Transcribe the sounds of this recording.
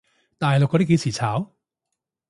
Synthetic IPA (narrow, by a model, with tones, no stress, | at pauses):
t̪aː˨jlʊ˨kːɔ˧˥˩ke˨˧˥t͡sʰiː˨˩t͡sʰaː˨˥w